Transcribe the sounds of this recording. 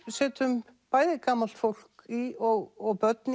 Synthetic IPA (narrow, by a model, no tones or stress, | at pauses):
sɛːt̪ʏm | paːjðɪkaːmal̥t̪fowl̥kiɔɣɔɣpœt̪n